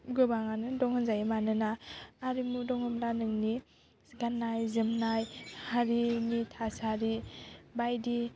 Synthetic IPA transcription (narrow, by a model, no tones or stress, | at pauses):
ɡɯbaŋanɯdɔŋhɯnzajemanɯnaːɾimudɔŋhɯmlanɯŋni | ɡanːajzɯmnajhaɾinitʰasaɾibajdi